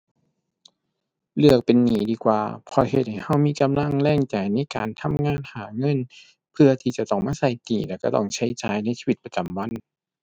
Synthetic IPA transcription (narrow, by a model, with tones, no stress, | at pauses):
lɯ˧˩ək̚pe˨nːiː˨˦diː˧kwa̰ː˨pʰɔː˧he˧t̪̚ha˧˩jha˧˥˩wmiː˧˥˨ka˨mla˧˥˩ŋlɛː˧˥˩ŋt͡ɕa˨˩jna˧˥˨jka̰ː˨nt̪ʰa˧˥˨mŋaː˧˥˨nhaː˨˩˦ŋɤ˧˥˨n | pʰɯ˧ɐt̪ʰiː˧˩t͡ɕa˧˩t̪ɔ˧˩ŋmaː˧˥˨sa˧˩jt̪iː˨˩lɛː˧˩ka˧˩t̪ɔ̰˧˩ŋt͡ɕʰa˧˩jt͡ɕaː˨˩jna˥˩˨sʰiː˧wi˧t̪̚pa˧t͡ɕa˨mwa˧˥˨n